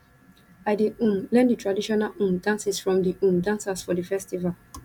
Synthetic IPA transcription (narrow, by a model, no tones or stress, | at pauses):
aɪdeũmlɛ̃nditʰɹadiʃɔnalũmdãnsisfɹɔ̃mdiũmdãnsasfɔdəfɛstival